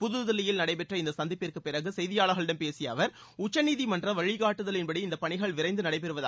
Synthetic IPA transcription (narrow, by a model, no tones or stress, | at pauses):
pʊðɯðɐlːɪjɪlnɐɽɐɪpɛʈrɐɪnd̪ɐsɐnd̪ɪpːɪrkɯpɪɾɐɣɯsɛjðɪjaːɭɐɣɐɭɪɽɐmpeːsɪjɐ̰ːʋɐɾ | ʊt͡ʃːɐniːðimɐndrɐʋɐɻɪɣaːʈːɯðɐlɪnbɐɽiɪnd̪ɐpɐɳɪɣɐɭʋɪɾɐɪnd̪ɯnɐɽɐɪpɛɾɯʋɐða̰ː